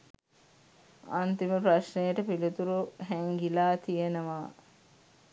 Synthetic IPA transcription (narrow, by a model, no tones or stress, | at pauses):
a̰nt̪iməpɾaʃnejəʈəpilit̪uɾuɦɛŋɡilaːt̪ijenəʋaː